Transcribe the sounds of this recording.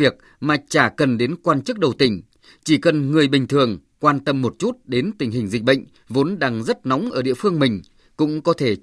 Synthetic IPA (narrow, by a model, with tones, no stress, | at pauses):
i˨˩ək̚ | maː˨˩t͡ɕaː˧˩kə˨˩nɗe˨˦nkwaː˧nt͡ɕɨ˦˥k̚ɗə˨˩wt̪ï˧˩ŋ̟ | t͡ɕi˧˩kə˨˩nŋɨ˨˩əjɓï˨˩ŋ̟t̪ʰɨ˨˩əŋ | kwaː˧nt̪ə˧mːo˨˩t̚t͡ɕu˦˥t̚ɗe˨˦nt̪ï˨˩ŋ̟ɦï˨˩ŋ̟zï˨˩ɓə̰˧˨ŋ̟ | vo˨˦nɗaː˨˩ŋzə˦˥t̚nɔ˨˦wŋ͡mʔəː˧˩ɗḭ˧əfɨ˧əŋmï˨˩ŋ̟ | kʊ̰˧˥ŋ͡mkɔ˨˦t̪ʰe˧˩